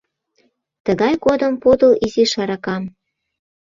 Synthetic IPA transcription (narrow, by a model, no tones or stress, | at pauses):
t̪əɣɑjkod̪ə̆mpod̪ɤ̆liziʃɑɾɑkɑm